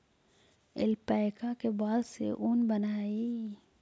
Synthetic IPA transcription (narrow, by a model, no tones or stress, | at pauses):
ɪ̰lpɛːkakebaːlsḛʔunbənaːi